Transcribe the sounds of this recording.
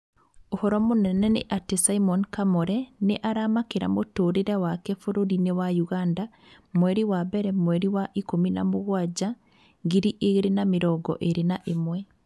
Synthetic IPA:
ohɔɾɔmonɛnɛnḛʔatesaimɔnkamɔɾɛneʔaɾamakeɾa̰motoɾeɾawakɛfoɾoɾinewajuɣanda | mwɛɾiwabɛɾɛmwɛɾiwaʔikomina̰moɣwad͡ʒa | ŋɡiɾiʔeɣeɾenameɾɔɡɔ̰ʔeɾenaʔemwɛ

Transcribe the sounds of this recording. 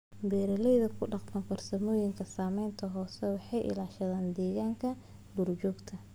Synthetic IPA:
bɛːɾɐlɛjðɐkʰʊɖɑqmɐŋkʰɐrsɐmɔːjɪŋkʰɐsaːmɛjnt̪ʰɐɦɔːsɛwɑħɑjʔɪ̰laːʃɐðaːnd̪ɛːɣaːŋkʰɐ | lurt͡ʃɔːɡt̪ʰɐ

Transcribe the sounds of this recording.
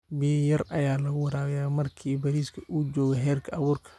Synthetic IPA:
bɪjjɐrʔɐjaːlɐɣʊwɐɾaːɾɛjaːmɐrkʰiːbɐɾiːskʰɐʔuːd͡ʒɔːɣɛɦɛːrkʰɐɐβuːrkʰɐ̥

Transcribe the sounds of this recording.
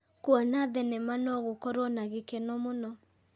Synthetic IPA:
kwɔnaðɛnɛmanɔɣokɔɾwɔnaɣekɛnɔmonɔ

